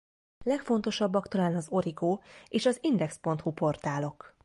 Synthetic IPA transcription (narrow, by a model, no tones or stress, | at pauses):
lɛkfo̞nt̪o̞ʃɒbːɒkt̪ɒlaːnɒzo̞ɾiɡoːeːʃɒzind̪ɛkspo̞nt̪hupo̞rt̪aːlo̞k